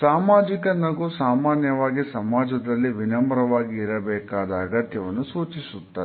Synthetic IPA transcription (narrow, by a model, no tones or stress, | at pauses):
saːmaːd͡ʒikɐnɐɡusaːmaːnjɐʋaːɡisɐmaːd͡ʒɐd̪ɐlːiʋinɐmɐɾɐʋaːɡiːɾɐbɛːkaːd̪ɐːɡɐt̪jɐʋɐnːusuːt͡ʃisut̪ːaː